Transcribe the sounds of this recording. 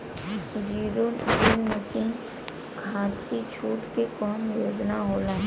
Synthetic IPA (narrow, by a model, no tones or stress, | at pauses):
sʊd͡ʒiːɾunɪnmɐsiːn | kʰãːt̪it͡ʃʰuːʈkekɔːmjoːd͡ʒnaɦoːla